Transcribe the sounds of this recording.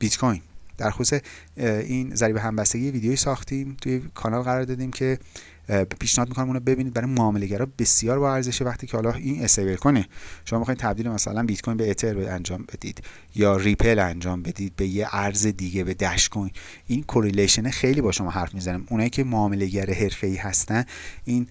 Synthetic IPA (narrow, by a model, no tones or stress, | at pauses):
b̥it̪kʰojnd̪̥æɾxosuse | iːnzæɾibeɦæmbæst̪e̞ɟijeviːd̪ejoisɒːxt̪iːmt̪ʰujekʰɒnɒlɣæɾɒːɾd̪ɒːd̪iːmcʰe̞ | pʰiːʃnehɒd̪mikonimunɑbe̞biniːd̪bæɾɒjmoɒːme̞le̞ɟæɾɒːbe̞sijɒːɾbɒːæɾze̞ʃevæχt̪iːcʰehɒlɒiːnesejbeɾkʰoneʃomɒːmexːid̪̚t̪ʰæb̚d̪ilemæsæ̰lænbit̪kʰojnbeːt̪ʰeɾænd͡ʒɒːmbed̪ḭd̪̥ | jɒːripʰe̞lænd͡ʒɒːmbe̞d̪iːd̪̚be̞jeʔæɾze̞d̪iːɟebe̞d̪æʃkojn | inkʰoɾeleʃenexe̞jliːbɒːʃo̞mɒːɦæɾfmizæniːmʔunɒːjiːcʲʰe̞moːme̞le̞ɡɟæɾeɦe̞ɾfe̞iːhæst̪æniːn